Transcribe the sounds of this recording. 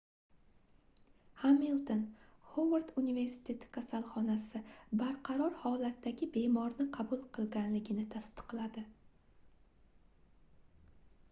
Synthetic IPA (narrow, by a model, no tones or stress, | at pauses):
hamilˠt̪onhowaɾt̪unive̞ɾsɪ̥t̪ʰe̞t̪ʰɪ̥kʰasalˠχɒnasɪbaɾqʰɑɾɒɾhɒlat̪ʰːaɡʲɪbe̞mɒɾnɪqʰɑbʊlˠqʰɨlˠɡʲanlɪɡʲɪnɪt̪ʰast̪ɨ̥qlad̪ɪ